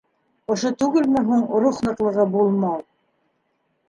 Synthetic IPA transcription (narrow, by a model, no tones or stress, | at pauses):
ŏʃot̪ʉɡɘlmɘɦuɴɾuχnɤ̆qlˠɤ̆ʁɤbulˠmɑlˠ